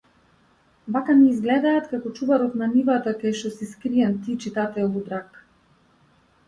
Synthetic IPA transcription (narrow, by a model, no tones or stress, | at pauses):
bakanɛizɡlɛd̪aːt̪kakɔt͡ʃuvaɾɔt̪nanivat̪akaʃt̪ɔsiskɾiɛnt̪it͡ʃit̪at̪ɛlˠud̪ɾak